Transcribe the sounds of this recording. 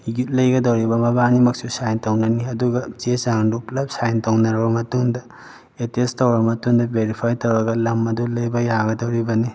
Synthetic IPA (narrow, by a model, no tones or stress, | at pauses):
jut̚lɐjɡɐdɐwɾibɐmɐbanimɐk̚susajntɐwnɐniɐduɡɐt͡ʃesaŋduplɐp̚sajntɐwnɐɾɐbɐmɐtuŋdɐ | etestɐwɾɐmɐtuŋdɐbeɾipʰajtɐwɾɐɡɐlɐmːɐdulɐjbɐjaɡɐdɐwɾibɐni